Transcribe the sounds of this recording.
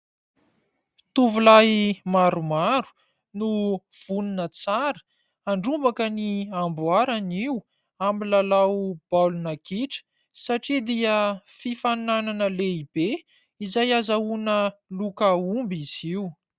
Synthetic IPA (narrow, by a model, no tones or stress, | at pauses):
t̪uvulajmaɾumaɾu̥ | nuv̥uninət͡saɾə̥ | aɳɖ͡ʐumbakəniambwaɾaniw | amilalawb̥alunakiʈ͡ʂə̥ | saʈ͡ʂid̪iəfifanananəleib̥e | izajazaunəlukəumbiz̥iw